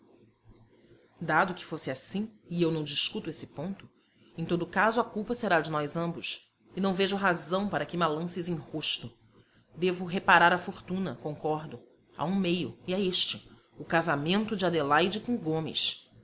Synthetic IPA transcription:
d̪ad̪ʊkɪ̥fosɪasĩɪewnɐ̃w̃d͡ʒiskut̪ʊesɪ̥põnt̪ʊ | ẽt̪od̪ʊkazʊɐkuwpɐseɾad͡ʒɪnɔjzɐ̃mbʊs | ɪnɐ̃w̃veʒʊɦazɐ̃w̃paɾɐkɪmalɐ̃sɪzẽj̃hoʃt̪ʊ | d̪evʊɦepaɾaɾɐfoɾt̪ũnɐkõŋkɔɾd̪ʊ | a̰ũmejʊiaeʃt͡ʃɪ | ʊkazamẽnt̪ʊd͡ʒɪad̪elajd͡ʒɪkõɡõmɪ̰s

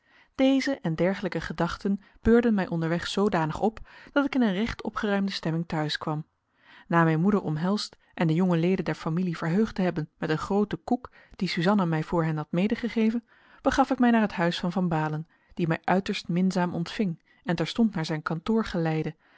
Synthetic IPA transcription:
d̥ejzəʔɛndɛɹχələkəχədɑχtən | b̥øːɹdənmɛjʔɔndəɹʋɛχsowdaːnəχɔpd̥ɑtɪkɪnənrɛχtɔ̰pχərœɥmdəstɛmɪŋtœɥskʋɑm | naːmɛjnmudəɹɔ̰mɦɛlˠst | ʔɛndəjɔŋəlejdəndɛɹfamiliv̥əɹɦøɥχtəɦɛbənmɛtənχrowtəkuk | d̥isyzɑnəmɛjv̥ʊːɹɦɛnɦɑtmejdəχəχejvən | b̥əχɑfɪkmɛjnaːɹɦətɦœɥsfɑnvɑnbaːlən | d̥imɛjʔœɥtəɹstmɪnzaːmʔɔntfɪŋ | ɛntɛɹstɔntnaːɹzɛjnkɑntʊːɹχəlɛjdə

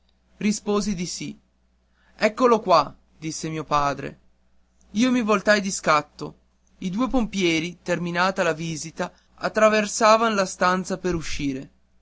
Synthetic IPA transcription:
rispoːzid̪isi | ɛkːolokwa | d̪isːemiːopaːd̪ɾḛ | iːomivolt̪ajd̪iskat̪ːo | id̪uːepompjɛːɾit̪erminaːt̪alaviːzit̪a | at̪ːɾaversaːvanlast̪ant̪sapeɾuʃːiːɾe

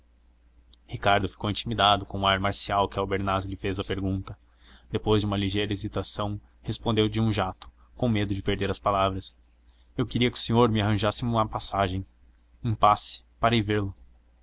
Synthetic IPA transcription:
hikaɾd̪ʊfi̥kowĩt͡ʃimid̪ad̪ʊkõũaɾmaɾsiawkɪawbeɾnazɪlɪfezɐpeɾɡũnt̪ɐ | d̪̥epojzd͡ʒɪũmɐliʒejɾɐezit̪asɐ̃w̃ | hespõnd̪ewd͡ʒɪũʒat̪ʊ̥ | kõw̃med̪ʊd͡ʒɪpeɾd̪eɾɐspalavɾɐs | ewkeɾiɐkɪʊ̥sẽɲoɾmɪaɦɐ̃ʒasɪmũmɐpasaʒẽj̃ | ẽj̃pasɪ̥paɾejveɾlʊ

